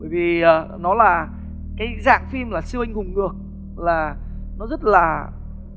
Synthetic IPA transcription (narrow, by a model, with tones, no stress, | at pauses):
ɓəː˧˨jvi˨˩əː˨˩nɔ˨˦laː˨˩ | kaː˨˦jza̰ː˧˨ŋfi˧mlaː˨˩sɨ˧wa˧jŋ̟hʊ˨˩ŋ͡mŋɨ˨˩ək̚ | laː˨˩nɔ˨˦zə˦˥t̚laː˨˩